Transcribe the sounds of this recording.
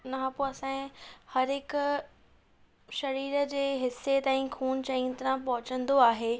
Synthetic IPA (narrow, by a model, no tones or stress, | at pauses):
nɐãpoɐsãːĩhɐɾɦɪkʊ | ʃɐɾiːɾə̆d͡ʑeːɦɪsːet̪ãːĩkʰuːñt͡ɕɐĩnt̪ɾãpɐɦʊt͡ɕə̃nd̪oaːɦeː